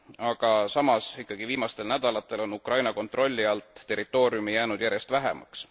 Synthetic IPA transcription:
ɑɡ̥ɑsɑmɑsikːɑɡ̥iviːmɑst̪e̞lnæd̪̥ɑlɑt̪ːˑe̞lo̞nukrɑjnɑko̞nt̪ːˑro̞lʲːiɑlt̪ːe̞ɾit̪ːˑo̞ːɾjumijæːnud̪̥jæɾje̞st̪væɦḛmɑ̰ks

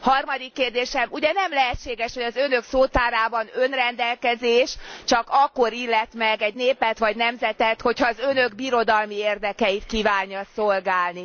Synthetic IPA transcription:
hɒrmɒd̪ikːeːrd̪eːʃɛmuɟɛnɛmlɛɦɛtt͡ʃːʃːeːɡɛʃhoɟɒzønø̞ksoːt̪aːɾaːbɒnø̞nrɛnd̪ɛlkɛzeːʃt͡ʃɒkɒkːo̞ɾilːɛt̪mɛɡɛɟneːpɛt̪ʋɒɟnɛmzɛt̪ɛt̪ho̞chɒːzønøɡbiɾo̞d̪ɒlmieːrd̪ɛkɛjit̪kiːvaːɲːɒsolɡaːlni

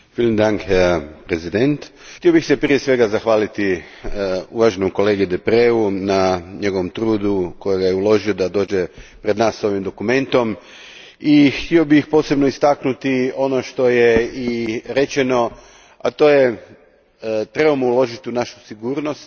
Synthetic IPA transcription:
filnd̪aŋkpɾezid̪ent̪xt̪iobixsepɾije̞sʋe̞ɡazaxʋaːlit̪i | uʋaːʒenomko̞leːɡid̪epɾeunaɲe̞ɡo̞ʋo̞mt̪ɾuːd̪uko̞jeɡajeulo̞ʒio̞d̪ad̪o̞ːd͡ʒepɾed̪naːsːo̞ʋimd̪o̞kume̞nt̪o̞m | ixt̪io̞bixpo̞ːsebnoist̪aknut̪io̞noʃt̪o̞jeiɾe̞t͡ʃeno̞ | at̪o̞ːje | t̪ɾe̞bomoulo̞ʒit̪iunaʃu̥siɡuːɾno̞st̪

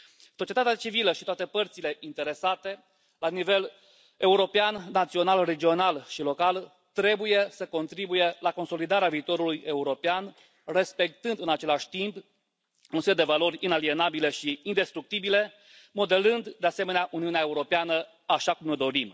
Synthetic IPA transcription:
sot͡ʃiet̪at̪eat͡ʃiviləʃit̪oat̪e̞pərt̪sile̞ʔint̪e̞ɾe̞sat̪e̞ | lanive̞l | e̞uɾo̞peanːat̪sio̞nalre̞d͡ʒio̞nalʃilo̞kal | t̪ɾe̞buje̞səko̞nt̪ɾibuje̞lako̞nso̞lid̪aɾeaviːt̪o̞ɾuluje̞uɾo̞pean | re̞spe̞k̚t̪ɨnd̪ɨnat͡ʃe̞laʃʲt̪imp | unseld̪e̞valo̞ɾʲinalie̞nabile̞ʃiind̪e̞st̪ɾuk̚t̪ibile̞ | mo̞d̪e̞lɨnd̪d̪ease̞me̞neaʔuniuneaeuɾo̞peanə | aʃakumnojd̪o̞ɾim

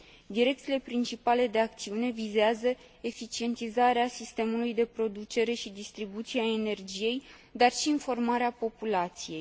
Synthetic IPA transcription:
d̪iɾe̞kt̪ile̞pɾint͡ʃipale̞d̪e̞akt̪siune̞vizeazə | e̞fit͡ʃie̞nt̪izaɾeasist̪e̞mulujd̪e̞pɾo̞d̪ut͡ʃe̞ɾe̞ʃid̪ist̪ɾibut̪sieaene̞rd͡ʒije̞j | d̪arʃiːnfo̞rmaɾeapo̞pulat̪sije̞j

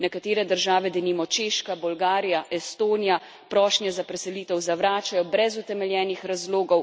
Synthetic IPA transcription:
nɛkat̪eːɾɛd̪əɾʒaːʋɛd̪ɛnimɔt͡ʃeːʃkabɔlɡaːɾijaʔɛst̪oːnija | pɾɔːʃnjɛzapɾɛsɛliːt̪ɛwzaʋɾaːt͡ʃajɔbɾɛzut̪ɛmɛljɛːnixɾazloːɡɔw

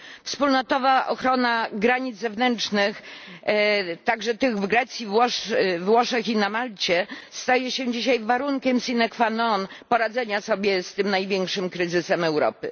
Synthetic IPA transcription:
fspulnɔt̪ɔvaʔɔ̰xɾɔnaɡɾaɲid̪zɛvnɛnt͡ʂnɘx | t̪aɡʐɛt̪ɘɣvɡɾɛt̪sʲjivwɔʂvwɔʂɛxinamalt͡ɕɛst̪ajɛɕɛ̃d͡ʑiɕajvaɾuŋkʲɛmsʲinɛkfanɔnpɔɾad̪zɛɲasɔbʲjɛst̪ɘmnajvʲjɛŋkʂɘmkɾɘzɘsɛmɛwɾɔ̰pɘ

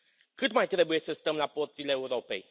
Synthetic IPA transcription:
kɨt̪majt̪ɾe̞buje̞səst̪əmlaport̪sileːuɾo̞pe̞̰j

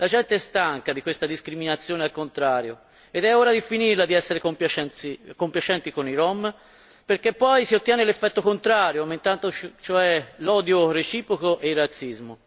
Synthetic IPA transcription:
lad͡ʒɛnt̪eɛst̪aŋkad̪ikwest̪ad̪iskɾiminat̪sːjoːnealkont̪ɾaːɾjo | ed̪ɛoːɾad̪ifinirlad̪iɛsːeɾekompat͡ʃɛnikompjat͡ʃɛnt̪ikoniɾɔm | perkepːɔjsiot̪ːjɛːnelefːɛt̪ːokont̪ɾaːɾjomaint̪ant̪ot͡ʃoɛlɔːd̪joret͡ʃiːpɾokoʔeilrat̪sːizmo

